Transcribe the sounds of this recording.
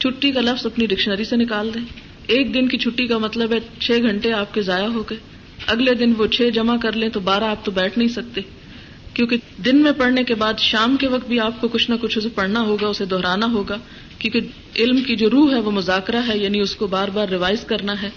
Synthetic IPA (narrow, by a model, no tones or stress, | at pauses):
t͡ʃʰʊʈːikalɐfzɐpniɖɪkʃnəɾisenɪkaːld̪ẽː | eːk̚d̪ɪnkit͡ʃʰʊʈːikamɐt̪ləbɦɛt͡ʃʰeːɡʱɐ̃ɳʈeaːp̚kezaːjaɦoːɡɐeː | ɐɡled̪ɪnʋot͡ʃʰeːd͡ʒɐmakɐɾlẽt̪obaːɾaːp̚t̪obɛːʈʰnɐɦĩsɐk̚t̪eː | kjõːked̪ɪnmẽpɐɽnekebaːd̪ʃaːmkeʋɐk̚t̪̚bʱiaːp̚kokʊt͡ʃʰnakʊt͡ʃʰʊsepɐɽnaɦoːɡaʊsed̪ɔɦɾaːnaɦoːɡaː | kjõːke | ɪlmkid͡ʒoːɾuːɦɛʋomʊzaːkɾaɦɛjaːniʊskobaːɾbaːɾːɪʋaːɪzkɐɾnaɦɛː